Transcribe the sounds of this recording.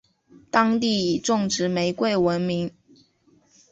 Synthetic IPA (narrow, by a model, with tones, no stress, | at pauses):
t̪ɑ˥ŋt̪i˥˩i˨˩ʈ͡ʂʊ˥˩ŋʈ͡ʂɻ̩˧˥me˧˥ɪkwe˥˩ɪwə˧˦˥nmi˧˥ŋ